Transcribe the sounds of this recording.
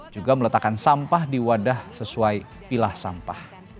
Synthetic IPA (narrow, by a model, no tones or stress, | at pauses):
d͡ʒuɡamələt̪akansampahdiwadahsəsuaj | pilahsa̰mpah